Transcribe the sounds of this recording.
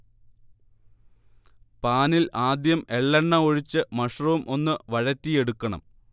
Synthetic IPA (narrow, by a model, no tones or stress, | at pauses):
paːnilaːd̪jɐme̞ɭːɐɳːɐoɻit͡ɕːɨmɐʂrɐʋumʔo̞nːɨʋɐɻɐtːije̞ɽukːɐɳɐ̰m